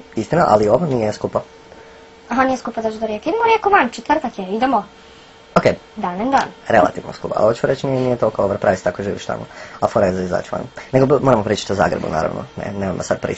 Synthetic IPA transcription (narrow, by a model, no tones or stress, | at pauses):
ist̪inaʔa̰lioʋanijeskupa | aɦanijeskupad̪ot͡ʃud̪oɾjekid̪emoɾjekoʋant͡ʃet̪rt̪akjeid̪emo | okeː | d̪anend̪anɾḛlˠa̰t̪iːʋno̰skupaa̰ot͡ʃumoɾet͡ɕt͡ʃnienijet̪okooʋaɾpɾaʋist̪akoʒiːʋḭʃt̪a̰moafoɾazaiza̰ːt͡ʃuʋa̰nneɡomoːɾamopɾiːt͡ʃḁt̪oza̰ːɡɾebṵna̰ːɾa̰ʋno̰nḛneːmomd̪asad̪̚pɾḭː